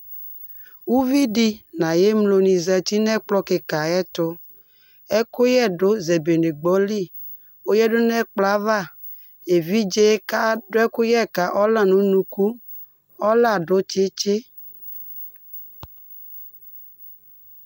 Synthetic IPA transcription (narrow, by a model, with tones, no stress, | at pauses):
wu˦vi˦di˦nã˨je˦mlo˨nĩ˨zɛ˨t̪i˦nɛ˦k͡plɔ˦ke˨ka˨ɛ˦t̪ʊ˦ | ɛ˦ko˦jɛ˦˨ɖo˦ze˨be˨ne˨ɡ͡bɔ˦li˦˨ | o˦jɛ˦dʊ˦nɛ˦˨k͡pla˦va˦˨ | e˨vi˦d͡ʒe˦ka˦ɖo˦ɛ˦kʊ˦jɛ˦˨ka˨ʔɔ˦la˦nũ˨˦nũ˨ku˦ | ɔ˦la˦˨ɖo˦t͡ʃe˦t͡ʃe˦